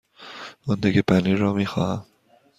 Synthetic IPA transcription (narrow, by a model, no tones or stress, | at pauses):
ɒnd̪iɡepʰæniːɾɒːmiːxɒ̰ːhæm